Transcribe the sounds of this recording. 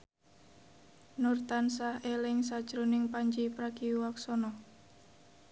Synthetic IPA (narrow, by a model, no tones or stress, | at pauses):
nurt̪ansahelɪŋsad̥ʒ̥ɾonɪŋpaɲd͡ʒipɾaɡ̥iuwaksɔnɔ